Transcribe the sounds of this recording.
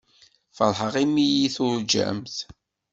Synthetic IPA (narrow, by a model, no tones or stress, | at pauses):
fəɾˤħəʁimijiθʊɾd͡ʒæ̰mθ